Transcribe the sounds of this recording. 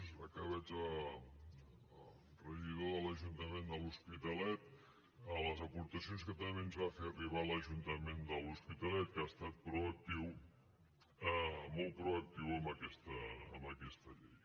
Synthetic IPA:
zəkaβəd͡zə | rəʒiðoðələʒunt̪əmend̪əluspit̪əlɛt̪̚ | ələzəpuɾt̪əsionskət̪əmbenzβafeəriβaləʒunt̪əmend̪əluspit̪əlɛt̪̚kast̪at̪̚pɾuək̚t̪iw | əmɔlˠt̪̚pɾuək̚t̪iwəmbəkɛst̪əːmbəkɛst̪əʎej

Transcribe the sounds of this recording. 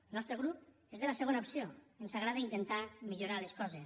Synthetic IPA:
enɔst̪ɾeɣ̞ɾup | ezðelaseɣonaopsioensaɣɾaðeint̪ent̪amiʎoɾaleskɔzes

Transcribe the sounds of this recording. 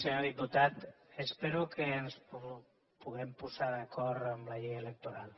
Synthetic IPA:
seɲoðiput̪at̪espeɾukʰəːnspu | puɣ̞ɛmpuzaðəkʰɔɾt̪əmlaʎɛjələk̚t̪oɾalˠ

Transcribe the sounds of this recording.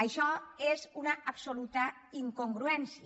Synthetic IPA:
əʃɔezunaʔːpsolut̪ə | iŋkoŋɡɾuɛnsi

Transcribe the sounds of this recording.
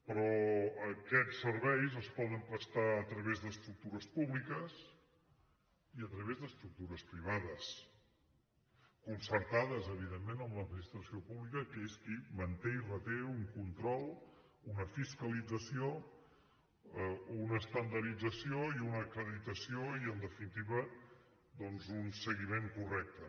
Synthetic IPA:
pɾɔəkɛt͡ssːəɾβɛjzəspɔðəmpɾəst̪aət̪ɾəβezðəst̪ɾuk̚t̪uɾəspuβlikəs | iət̪ɾəβezðəst̪ɾuk̚t̪uɾəspɾiβ̞aðəs | kunsəɾt̪aðəzəβ̞iðemːenəmləd̪̚minist̪ɾəsiopuβlikəkeskimənt̪eirət̪euŋkunt̪ɾɔlˠ | unəfiskəlid͡zəsio | unəːst̪ənd̪əɾid͡zəsioiunəːkɾəðit̪əsioiənd̪əfinit̪iβə | d̪ɔnzunsəɣimeŋkurɛk̚t̪ə

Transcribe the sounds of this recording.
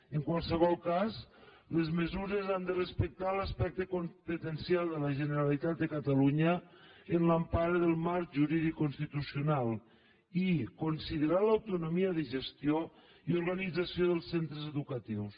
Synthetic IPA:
əŋkwalˠsəβɔlˠkaz | ləzməzuɾəzand̪ərəspək̚t̪alaspɛk̚t̪əkompət̪ənsjalˠd̪ələʒənəɾalit̪at̪̚d̪əkat̪aluɲəənlampaɾeðəlˠmaɾʒuɾiðikːonst̪it̪usiunalˠ | ikonsiðəɾalawt̪unomiəðəʒəst̪jo | ioɾɣanid͡zasioðəlˠsːent̪ɾəzəðukət̪iws

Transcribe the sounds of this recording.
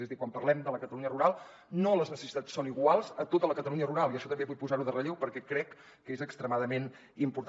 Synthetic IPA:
ezðikwampərlɛmd̪ələkət̪əluɲəruɾalˠ | noləznəsəsi̥t̪at͡ssoniɣwalˠzət̪ot̪ələkət̪əluɲəruɾalˠiəʃɔt̪əmbeβujpuzaɾuðərəʎewpəɾkɛkɾɛkː | ezəkst̪ɾəmaðəmen | impuɾt̪

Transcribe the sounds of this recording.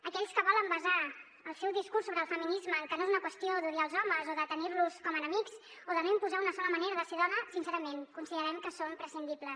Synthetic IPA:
əkɛʎskəβɔləmbəza | əlˠsɛwðiskursːoβɾəlˠfəminizməːŋkənoezunəkwəst̪ioðuɾiaːlˠzɔməzoðət̪əniɾluskɔmənəmikz | oðənoimpuzaunəsɔləməneɾəðəseðɔnəsinsɛɾəmenkunsiðəɾɛmkəsompɾəsind̪ipləs

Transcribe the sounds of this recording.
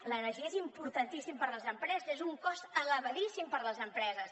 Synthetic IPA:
lənəɾʒiezimpuɾt̪ənt̪isimpəɾləzəmpɾɛzəzezuŋkɔzələβəðisimpəɾləzəmpɾɛzəs

